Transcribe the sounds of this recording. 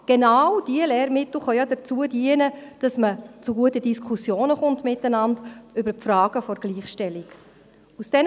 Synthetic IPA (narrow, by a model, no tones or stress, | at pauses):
ɡ̥enawd̥iəleːɾmɪtl̩χœjɑdət͡suədiənəd̥ɑsmət͡suɡuətədiskʰusjoːnəχʊntmɪtːənɑndʏbəɾpfrɑːɡ̥əfɔɾɡ̥liːχʃtɛlik | usd̥ɛn